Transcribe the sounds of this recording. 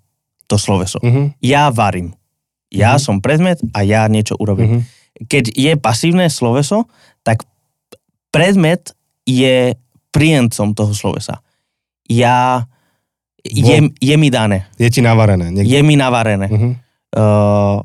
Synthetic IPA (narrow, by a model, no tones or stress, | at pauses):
t̪ɔslɔʋɛsɔ̰ɦjaːʋaɾiːm | jaːsɔmpɾɛd̪mɛt̪ajaɲɪɛt͡ʃɔ̰ʔuɾɔbiːm | kɛɟjɛpasiːʋnɛːslɔʋɛsɔ | t̪ak | pɾɛd̪mɛt̪ | jɛ | pɾijɛnt͡sɔmt̪ɔɦɔslɔ̰ʋɛ̰sa̰ | jaː | jɛmjɛmid̪anɛːjɛcinaʋaɾɛnɛːɲɛjɛminaʋaɾɛnɛː